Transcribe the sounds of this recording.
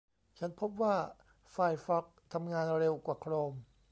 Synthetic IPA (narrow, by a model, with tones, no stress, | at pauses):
t͡ɕʰa˦˥npʰo˦˥p̚waː˥˩ | fa˧˩jfɔ˦˥k̚t̪ʰa˧mŋaː˧nɾe˧wkwaː˨˩kʰɾoː˧m